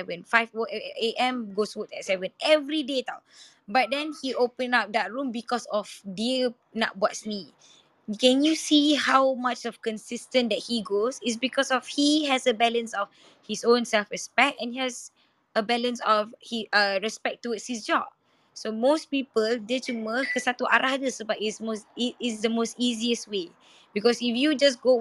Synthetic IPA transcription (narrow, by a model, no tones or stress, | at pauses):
ɛvə̃nfajfoeʔɛ̃mɡoswutɛt̚sɛvə̃nɛvɹideta̰ | bat̚dɛ̃nhiʔopə̃nap̚dɛt̚ɹũmbikɔsɔfdi | na̰ʔ̚bɔtsni | kɛ̃njusihawmat͡ʃɔfkə̃nsɪstə̃ndɛt̚hiɡosɪts̬bikɔsɔfhiɦɛsəbɛlə̃nsɔf | hisõnsɛlfɹɛspɛk̚tɛ̃nhiɛz | əbɛlə̃nsɔfhiʔəɹɛspɛk̚tuɪtshisd͡ʒɔb̚ | somospipəldɛt͡ʃuməkəsat̪uʔa̰ɾʔahdəsobaʔismosiɪsdəmostiziəswe | bikɔsifjud͡ʒas̬ɡo